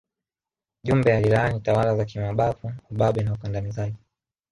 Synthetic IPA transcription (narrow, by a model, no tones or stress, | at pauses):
ʄumbɛjalilanitawalazakimaɓafuuɓaɓɛnaukandanizaʄi